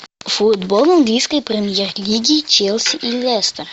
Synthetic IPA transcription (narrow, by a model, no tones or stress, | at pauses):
fud̪bolˠɐŋɡlʲijskəjpɾʲɪmʲjerlʲiɡʲiːt͡ʃɛlʲˠsʲiʔilʲɛst̪ər